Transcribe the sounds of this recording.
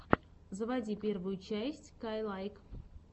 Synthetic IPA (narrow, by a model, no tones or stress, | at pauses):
zəvadʲipʲervʊjʊt͡ɕæsʲtʲkajlˠajk